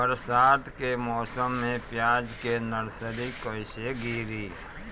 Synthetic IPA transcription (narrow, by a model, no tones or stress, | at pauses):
bəɾsaːd̪kemɔːsəmːẽpjaːd͡ʒkenəɽsəɾikoɪʃeɡiːɾiː